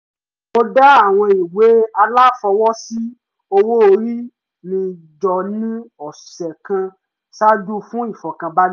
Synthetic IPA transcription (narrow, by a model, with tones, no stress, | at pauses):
o˧da˦a˦˨w̃ɔ̃˧i˨we˨˦a˧la˦fɔ˧wɔ˦si˦ | o˧wo˦o˧ɾi˦ | nĩ˧ | d͡ʒɔ˨nĩ˦ɔ˨sɛ˨kã˧ | sa˦d͡ʒu˦fũ˦i˦˨fɔ˨kã˧ba˦